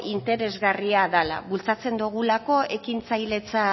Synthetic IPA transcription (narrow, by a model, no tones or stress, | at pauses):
ʔint̪e̞ɾe̞zɣariaðala̰βult͡sat͡se̞nd̪uɣ̞ulako̞e̞kint͡sajle̞t͡sa